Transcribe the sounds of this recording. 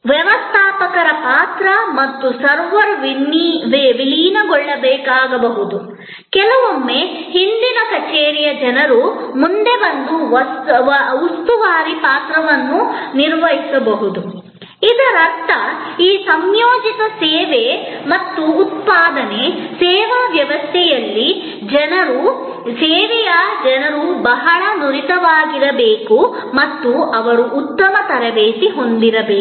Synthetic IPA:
ʋjɛʋɐst̪ʰaːpɐkɐɾɐpaːt̪ɾɐmɐt̪ːusɐɾʋɐɾʋʋʋiliːnɐɡɔɭːɐbɛːkaːɡɐbɐɦud̪u | kɛlɐʋomːehind̪inɐkɐt͡ʃeːɾijɐd͡ʒɐnɐɾumund̪e̞bɐnd̪u | ust̪uʋaːɾipaːt̪ɾɐʋɐnːuniɾʋɐɦisɐbɐɦud̪u | id̪ɐɾɐkt̪ːɐ | iːsɐmjoːd͡ʒit̪ɐsɛːʋemɐt̪ːuːt̪̚paːd̪ɐne̞sɛːʋaʋjɐʋɐst̪ʰɛjɐlːi | d͡ʒɐnɐɾu | sɛːʋɛjɐd͡ʒɐnɐɾubɐɦɐɭɐnuɾit̪ɐʋaːɡiɾɐbeːku | mɐt̪ːuɐʋɐɾuʔːt̪ːɐmɐt̪ɐɾɐʋeːt̪iɦo̞nd̪iɾɐbeː

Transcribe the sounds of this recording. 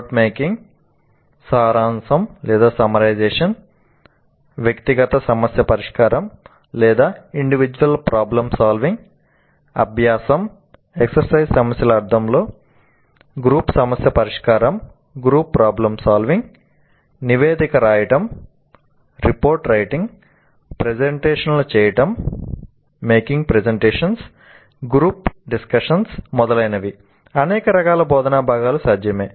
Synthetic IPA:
ʈmeːkiŋɡ | saːɾaːnsɐmlɛːd̪aːsɐmɐɾɐjd͡ʒeːʂɐn | ʋjɐkt̪iɡɐt̪ɐsɐmɐsjɐpɐɾiʂkaːɾɐm | lɛːd̪aːiɳɖiʋid͡ʒuʋɐlpɾʔaːblɐmsaːlʋiŋɡ | ɐ̰bʱjaːsɐm | eksɐɾsɐjzsɐmɐsjɐlɐɐɾd̪ʱɐmlo̞ː | ɡɾuːpsɐmɐsjɐpɐɾiʂkaːɾɐm | ɡɾuːpːɾaːblɐmsaːlʋiŋɡ | niʋeːd̪ikɐɾaːjɐʈɐm | ɾipoːɾʈɾɐjʈiŋɡ | pɾed͡ʒeɳʈeːʂɐnlut͡ʃɛːjɐʈɐmː | eːkiŋɡpɾezeɳʈeːʂɐns | ɡɾuːpɖiskɐʂɐnsmɔd̪ɐlɐjnɐʋi | ɐnɛːkɐɾɐkaːlɐbɔːd̪ɐnaːbʱaːɡaːlusaːd͡ʒ̪ʱjɐmeː

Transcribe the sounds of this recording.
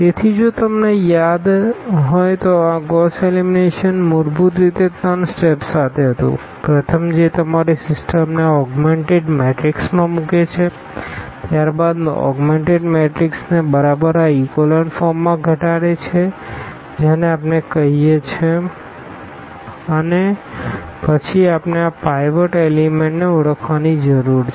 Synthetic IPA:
t̪et̪ʰid͡ʒot̪əmnejad̪ɦɔjt̪oãɡɔselimineʃənmʊɾbut̪ɾit̪et̪ansʈepsat̪ʰeɦət̪ṵ̃ | pɾət̪ʰəmd͡ʒet̪əmaɾisɪsʈəmneɔɡmeɳʈeɖmeʈɾiksmãmũket͡ʃʰe | t̪jaɾbad̪̰ɔ̰ɡmeɳʈeɖmeʈɾiksnebəɾabəɾaikoləɳfɔɾmːãɡʱəʈaɽet͡ʃʰe | d͡ʒeneapnekəɦijet͡ʃʰe | əne | pət͡ʃʰiapneapɾajʋəʈelimẽɳʈneuɽəkʰʋanid͡ʒəɾuɾʰ

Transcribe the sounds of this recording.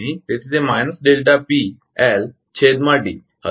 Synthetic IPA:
it̪esʰizemajnəsɖelʈapi | ɛl | t͡ɕʰed̪maʈḭː | hə̰

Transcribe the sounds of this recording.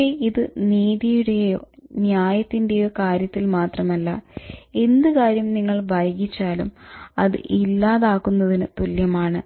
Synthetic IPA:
eiðɨniːðijuɽe̞joːnjaːjɐt̪ːinde̞jo̞ːkaːɾjɐt̪ːilmaːt̪rɐmɐlːɐe̞nd̪ɨkaːɾjɐmniŋːɐɭbʱɐjɐɡit͡ɕːaːlumɐðɨ̰ʔilːaːðaːkunːɐðinɨt̪uljɐmaːɳɨ

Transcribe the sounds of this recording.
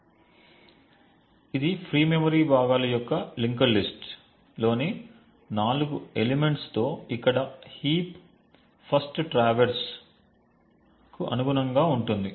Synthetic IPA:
id̪ipʰɾiːmemɐɾiːbʱaːɡaːlɐjɔkːɐliŋkɐllːisʈ | lo̞ːne | naːluɡuelemeɳʈst̪o̞ːikːɐɽɐhiːp | pʰɐsʈʈɾaːʋɐɾs | kuʔɐ̰nuɡunɐŋɡaːuɳʈund̪i

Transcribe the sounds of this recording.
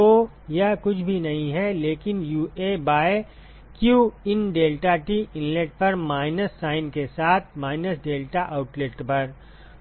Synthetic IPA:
o | jɐɦkʊt͡ʃʰbʱinɐɦĩɦɛleːkɪnjuːeːbaː | kjuːɪnɖeːlʈaʈiɪ̃nleʈ̚pɐɾmaːɪnəsːaːɪnkesaːt̪ʰmaːɪnəsɖeːlʈaʔaʊʈlɪʈpɐɾ

